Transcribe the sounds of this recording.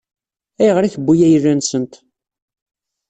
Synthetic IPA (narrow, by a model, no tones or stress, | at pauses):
æjəʁɾiθəbːujæjərːænsənt̪